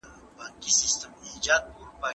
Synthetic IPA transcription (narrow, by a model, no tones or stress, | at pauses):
baŋkisist̪əmd͡ʒat̪̚uɾpa